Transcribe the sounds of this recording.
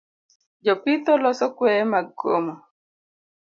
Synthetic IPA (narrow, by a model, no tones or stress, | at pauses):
d͡ʒɔpit̪ɔlɔsɔkwɛmaɡo̰ma